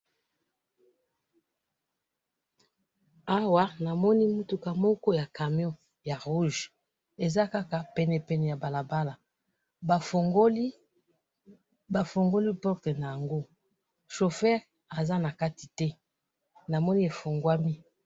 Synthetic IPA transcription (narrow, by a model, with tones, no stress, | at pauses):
a˦wa˦na˨mɔ˦ni˦mu˦tu˨ka˨mɔ˦kɔ˦ja˨ka˨mjɔ̃˦ | ja˨ʁu˦ʒ | e˨za˦ka˦ka˨pɛ˨nɛ˨pɛ˨nɛ˨ja˨ba˨la˨ba˦la˨ | ba˨fɡo˦li˦ | ba˨fo˨ŋɡo˦li˦pɔ˦ʁte˨na˨ja˨ŋɡo˦ | ʃo˨fɛ˦ʁ | a˨za˦na˨ka˦ti˨tɛ˦ | na˨mɔ˦ni˦e˨fo˨ŋɡwa˦mi˦